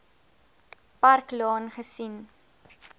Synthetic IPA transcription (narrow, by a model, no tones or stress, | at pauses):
pɐrklɑːnχəsin